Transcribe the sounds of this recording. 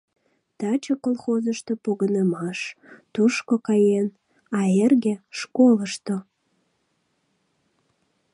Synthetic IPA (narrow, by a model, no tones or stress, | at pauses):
t̪ɑt͡ɕəkolˠxozəʃt̪opoɣənəmɑʃt̪uʃkokɑjen | ɑerɣeʃkoləʃt̪o